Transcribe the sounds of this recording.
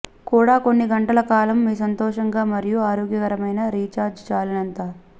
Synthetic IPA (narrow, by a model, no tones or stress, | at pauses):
kuːɽaːko̞nːiɡɐɳʈɐlɐkaːlɐmːiːsɐnt̪ɔːʂɐŋɡaːmɐɾijuaːɾoːɡjɐkɐɾɐmɐjnɐɾiːt͡ʃaːɾd͡ʒt͡ʃaːlɐnɐnt̪aː